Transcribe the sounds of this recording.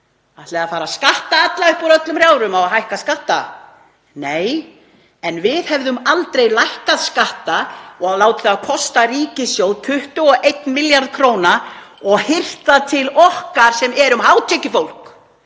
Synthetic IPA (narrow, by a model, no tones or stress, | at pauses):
aht̪lɛɣaðfaːɾaskaht̪aat̪laʏhpɔɾœt̪lʏmrjaːwɾʏmawaɦajhkaskaht̪a | neːj | ɛnvɪðhɛvðʏmalt̪ɾejlajhkaðskaht̪aɔɣalaːwt̪ɪ̥θaːðkʰɔst̪ariːcɪsjowðt̪ʰʏht̪ʏɔʔejt̪nmɪljaɾðkʰɾoːwnaɔɣhɪr̥t̪at̪ʰɪlɔhkaɾ̥sɛmɛɾʏmɦaːwt̪ʰɛcɪfowl̥k